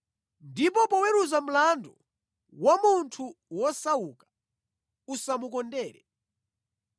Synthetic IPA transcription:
ndipɔpɔwɛɾuzam̩landɔ | wamuntʰuwɔsaukḁ | usamukɔndɛːɾɛ̰

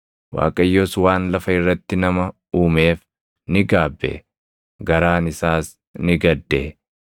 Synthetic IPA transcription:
wa̰ːkʼɐjːoːswaːnlɐfɐɪrːɐt̪ːɪnɐmɐ | uːme̞ːf | nɪɡaːbːḛ | ɡɐɾaːnɪsaːs | nɪɡɐd̪ːeː

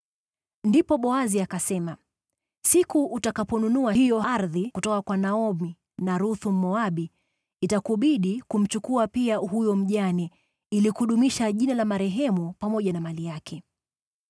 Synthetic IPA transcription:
ndipɔɓɔaziakasɛma | sikuʔːtakapɔnunuahijɔaɾðikutɔkakwanaɔmi | naɾuθum̩ːɔaɓiː | takuɓiɗikum̩t͡ʃukuapiahujɔm̩ʄanɛ | ilikuɗumiʃaʄinalamaɾɛɦɛmupamɔʄanamalijakʰɛ

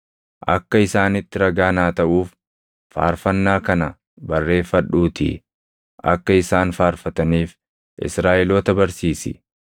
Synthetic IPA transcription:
ʔɐ̰kːɐɪsaːnɪt̪ːɪɾɐɡaːnaːt̪ɐʔuːfː | a̰ːɾfɐnːaːkɐnɐ | bɐrːe̞ːfːɐᶑuːt̪ɪ̰ | ʔɐ̰kːɐɪsaːnfaːɾfɐt̪ɐniːf | ʔɪ̰sɾaːʔɛloːt̪ɐbɐɾsiːsɪ̰

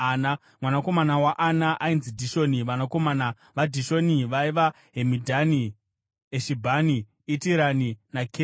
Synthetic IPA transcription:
na | mwanako̞manawaʔanaʔainzidʱiʃoniʋanakomaːna | ʋadʱiʃo̞niʋaiʋa | ɦemidʱani | eʃibʱaniː | tiɾaninake

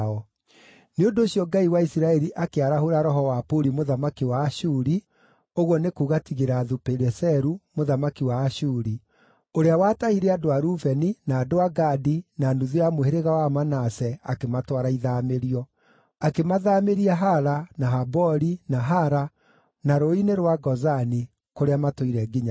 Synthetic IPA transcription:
ɔ | neondoːɕjɔŋɡaiwaisiɾaɛɾiʔakeaɾaɦoɾaɾɔɦɔwapoɾimoðamakiwaːʃuɾi | oɣwɔnekuːɣatiɣeɾaːðupɛɾɛsɛɾumoðamakiwaːʃuːɾi | oɾeawaːtahiɾɛadoaɾuvɛninaːdoaɡadinanuðiamoheɾeɣawamanasɛakematwaɾaiðameɾiɔ | akemaðaːmeɾiaɦaɾanaɦabɔɾinaɦaɾa | naɾoineɾwaɡɔzani | koɾeamatoiɾɛɡiɲa

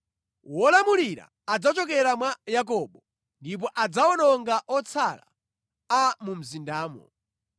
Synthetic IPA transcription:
wɔlamuliɾa̰ | ad͡zat͡ʃɔk̬ɛɾamwajak̬ɔɓɔ | ndip̬ɔʔad͡zaɔnɔŋɡaʔɔt͡sʰala̰ | amum̩zindaːmɔ̰

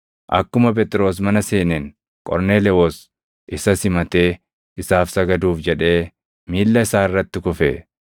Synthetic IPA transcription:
ʔɐ̰kːʊmɐp̬ɛt̪ʼɾo̞ːs̬mɐnɐseːnɛn | kʼɔ̰ɾneːlɛoːs | ʔɪsɐsɪmɐt̪e̞ː | ɪsaːfsɐɡɐd̪uːfd͡ʒɛᶑe̞ː | miːlːɐɪsaːɪrːɐt̪ːɪkʊfḛː

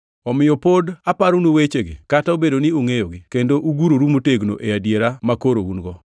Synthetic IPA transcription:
ɔmɪjɔpodapaɾunowet͡ʃeɡḛkataobedonɪoŋejoɡɪkendoʔuɡuɾoɾumoteɡno̰ʔeadjeɾamakoɾounɡɔ

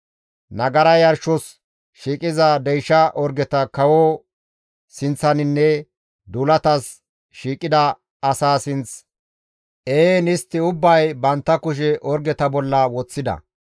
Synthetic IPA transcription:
nɐɡɐɾɐjɐɾʃɔs | ʃiːkʼɪzɐd̪ɛjʃɐʔɔɾɡɛt̪ɐkɐwɔ | sɪnt͡sːɐnɪnːɛ | d̪uːlɐt̪ɐs | ʃiːkʼɪd̪ɐ | ɐsaːsɪnt͡s | ʔeːnɪst̪ːɪʊbːɐjbɐnt̪ːɐkʊʃ̬ɛʔɔɾɡɛt̪ɐbɔlːɐwɔt͡sːɪd̪ɐ̰

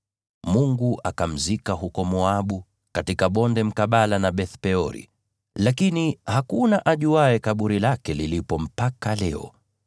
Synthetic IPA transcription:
muŋɡuʔakam̩zikaɦukɔmɔaɓu | katikaɓɔndɛm̩kaɓalanaɓɛθpɛɔɾḭ | lakinihakunaʔaʄuaɛkaɓuɾilakɛlilipɔm̩pakalɛɔ̰

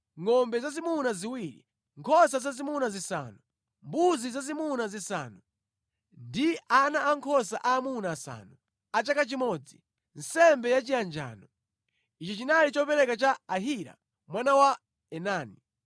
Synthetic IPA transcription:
ŋɔmbɛzazimunaziwiɾḭ | ŋkʰɔsazazimunazisa̰ːnu | mbuzizazimunazisa̰ːnu | ndianaːŋkʰɔsaʔaːmunaːsa̰ːnu | at͡ʃakat͡ʃimɔd͡zi | n̩sɛmbɛjat͡ʃijand͡ʒa̰ːnɔ | it͡ʃɔt͡ʃinalit͡ʃɔpɛɾɛkat͡ʃaːɦiɾa̰ | mwanawa | ɛnaːni

